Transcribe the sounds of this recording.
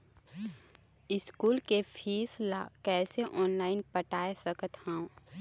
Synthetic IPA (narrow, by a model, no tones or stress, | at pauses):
ɪskuːlkefʰiːslakɛːseʔɔːnlaːɪnpəʈaːesəkət̪hãõː